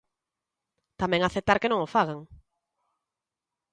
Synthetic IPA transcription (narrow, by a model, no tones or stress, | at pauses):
t̪amɛ̃ŋaθet̪aɾkenõŋofaɣaŋ